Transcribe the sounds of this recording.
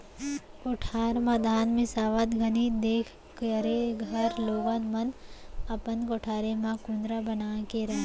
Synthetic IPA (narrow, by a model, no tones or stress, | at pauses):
koːʈʰaːɾmad̪aːnmẽsaːʋət̪ɡʱɐnid̪eːkʰ | kəɾeɡʱɐɾloːɡanmɐnɐpənɡoːʈʰaːɾemãkũnd̪ɾabɐnaːkeɾɐɦ